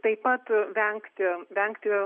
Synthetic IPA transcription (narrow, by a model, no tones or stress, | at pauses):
t̪ɐɪppɐt̪ʋʲɛŋkt̪ʲɪʋʲɛŋkt̪ʲɪ